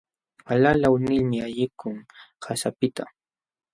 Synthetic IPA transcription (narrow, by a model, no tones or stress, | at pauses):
alalawnɪlmɪaʎɪkʰʊŋhasapɪt̪a